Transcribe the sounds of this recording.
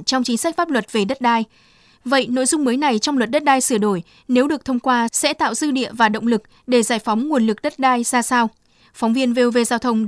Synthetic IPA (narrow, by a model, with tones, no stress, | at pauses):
t͡ɕɔ˧wŋ͡mt͡ɕï˨˦ŋ̟sa˦˥k̟faː˦˥p̚lwə˨˩t̚ve˨˩ɗə˦˥t̚ɗaː˧j | və̰˧˨jno̰˧˨jzʊ˧ŋ͡mməː˨˦jna˨˩jt͡ɕɔ˧wŋ͡mlwə˨˩t̚ɗə˦˥t̚ɗaː˧jsɨ˧˩əɗo˧˩j | ne˨˦wɗɨ˨˩ət̪ʰə˧wŋ͡mkwaː˧sɛ̰˧˥t̪a̰ː˧˨wzɨ˧ɗḭ˧˨əvaː˨˩ɗə̰˧˨wŋ͡mlɨ˨˩k̚ | ɗe˧˩zaː˧˩jfɔ˨˦wŋ͡mŋu˨˩ənlɨ˨˩k̚ɗə˦˥t̚ɗaː˧jzaː˧saː˧w | fɔ˨˦wŋ͡mvi˧ənve˧ve˧zaː˧wt̪ʰə˧wŋ͡m